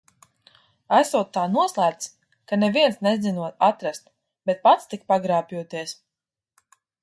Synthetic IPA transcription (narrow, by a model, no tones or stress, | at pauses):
æsuɔt̪ːaːnuɔslˠæːp̚t̪s | kaneviɛnsnezd̪inuɔt̪at̪ɾast̪ | b̥et̪̚pat̪st̪ik̚paɡɾaːpʲjuɔt̪iɛs